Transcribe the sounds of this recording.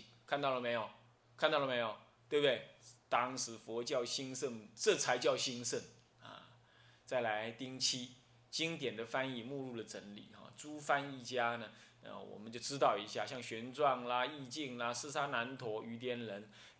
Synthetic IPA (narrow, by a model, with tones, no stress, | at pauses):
kʰa˥˧nt̪ɑ˥˩ʊlə˩me˧˥ɪjo˨˩ʊ | kʰa˥˧nt̪ɑ˥˩ʊlə˩me˧˥ɪjo˨˩ʊwe˥˩bd̪we˥˩ɪt̪ɑ˥ŋʂɻ̩˧˥fwɔ˧˥t͡ɕjɑ˥˩ʊɕi˥ŋʂə˥˩nʈ͡ʂɤ˥˨t͡sʰa˧˥ɪt͡ɕjɑ˥˩ʊɕi˥ŋʂə˥˩n | ɐ̰˨˩ | t͡sa˥˩ɪla˧˥ɪt̪i˥ŋt͡ɕʰi˥ | t͡ɕi˥ŋt̪̬jɛ˨˩nd̪ə˦fa˥ni˥˩mu˥˧lu˥˩də˩ʈ͡ʂə˧˥nlḭ˨˩xɑ̰˥˧˩ʈ͡ʂu˥fa˥ni˥˩t͡ɕja˥nə˨ | a̰˥˧wɔ̰˨˩mə˦nt͡ɕjo˥˩ʊʈ͡ʂɻ̩˥t̪ɑ˥˩ʊi˧˥ɕja˥˩ɕjɑ˥˩ŋɕɥɛ˧˥nʈ͡ʂwɑ˥˩ŋla˩i˥˧t͡ɕi˥˧ŋla˨ʂɹ̩˥˧˩t͡sʰa˥na˧˥nt̪ʰwɔ˧˥y˧˥t̪̬jɛ˧˥nɻə˧˥n